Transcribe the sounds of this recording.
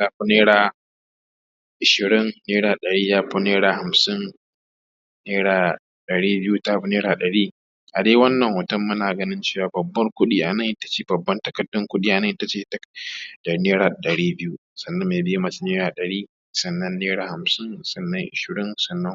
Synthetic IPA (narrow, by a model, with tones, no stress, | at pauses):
taː˦ɸu˦neː˦ɽaː˨ | ʔɪ˨ʃɪ˨ɾɪ˦nːeː˦ɽaː˨ɗɐ˨ɽiː˦jaː˦ɸu˦neː˦ɽaː˨ha˨msɪ˦n | neː˦ɽaː˨ | ɗɐ˨ɽiː˦bɪ˦ju˦taː˦ɸu˦neː˦ɽaː˨ɗɐ˨ɽiː˦ | ʔa˨deː˦wɐ˦nːɐ˨ŋhʊ˨tɐ˦mːʊ˦naː˨ɡɐ˦nɪ˦nt͡ʃeː˦˨waː˨bɐ˨bːɐ˦rkʷʊ˦ɗiː˦ʔa˨nɐ˦ŋʔta˦t͡ʃeː˦˨bɐ˨bːɐ˦ntɐ˦kɐ˨dːʊ˦ŋkʷʊ˦ɗiː˦ʔa˨nɐ˦ŋ˨ʔɪ˦ta˦t͡ʃeː˦˨tdɐ˨neː˦ɽaː˨ɗɐ˨ɽiː˦bɪ˦ju˦ | sɐ˨nːɐ˦mːeː˨bɪ˦ji˦mɐ˨t͡ʃi˦neː˦ɾaː˨ɗɐ˨ɽiː˦ | sɐ˨nːɐ˦nːeː˦ɽaː˨ha˨msɪ˦nsɐ˨nːɐ˦ŋʔɪ̰˨ʃɪ˨ɾɪ˦nsɐ˨nːɐ˦ŋ